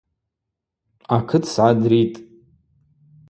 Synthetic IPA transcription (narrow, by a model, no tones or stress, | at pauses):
akʰɨtʰsʕadritʼ